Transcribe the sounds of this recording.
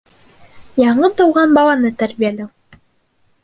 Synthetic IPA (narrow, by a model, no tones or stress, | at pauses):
jɑɴɤt̪ŏwʁɑnbɑlˠɑnɤt̪æɾbijælæw